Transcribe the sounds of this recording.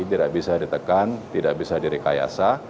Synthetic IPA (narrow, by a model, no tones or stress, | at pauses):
it̪idaʔbisadit̪əkant̪idaʔbisadiɾika̰ja̰sa